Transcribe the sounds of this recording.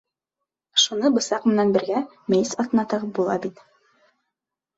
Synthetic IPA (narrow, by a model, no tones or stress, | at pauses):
ʃunɤbɤ̆sɑqmɘ̆nænbɘ̆ɾɡæ | mejsɑt̪nɑt̪ɤʁbulˠɑ̰bit̪